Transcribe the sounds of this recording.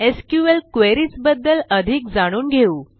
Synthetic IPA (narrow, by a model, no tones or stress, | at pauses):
eskjuʋelkʋeɾiːt͡sbəd̪ːələd̪ʱikd͡zaɽ̃uːnɡʱeuː